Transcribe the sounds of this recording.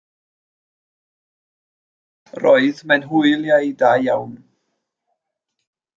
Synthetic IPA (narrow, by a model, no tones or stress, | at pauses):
rɔɨðmɛnɦʊɨlˠjajdajjawn